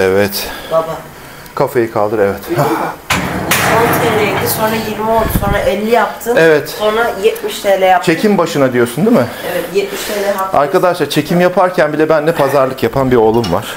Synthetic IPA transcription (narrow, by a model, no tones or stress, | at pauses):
ɛvɛt̪baba | kʰafajɯkʰalˠd̪ɯɾevɛt̪ha | ont̪ʰelʲɛid̪iso̞nɾajiɾmio̞lˠd̪uso̞nɾaʔɛlʲːijap̚t̪ʰɯevɛt̪so̞nɾajɛt̪miʃt̪ʰelʲɛjat͡ʃʰe̞cʰimbaʃɯnad̪ijo̞sund̪imɪ | ɛvɛt̪jɛt̪̚miʃt̪ʰelʲɛjaaɾkʰad̪aʃlˠaɾt͡ʃʰe̞cʰimjapʰaɾcʰænbilʲɛbænːɛpʰazaɾlˠɯkjapʰanbiɾo̞lˠumva̰ɾ̥